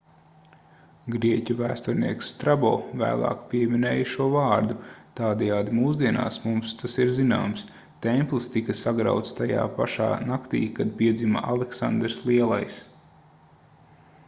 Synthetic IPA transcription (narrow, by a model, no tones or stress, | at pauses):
ɡɾiɛcʲuvæːst̪ɔɾnḭɛksːt̪ɾabo̰ːvæ̰ːlˠɑ̰ːkpiɛminɛːjʃuɔvɑːɾd̪ut̪aːd̪ɛjaːd̪imuːzd̪iɛna̰ːsmumst̪asiɾzina̰ːms | t̪ɛmplˠst̪ikɐsaɡɾa̰wt̪st̪aja̰ːpa̰ʃa̰ːnakt̪ḭːkad̪̚piɛd̪zimɐ̰ʔa̰lˠeksa̰nd̪ɾslˠiɛlˠa̰js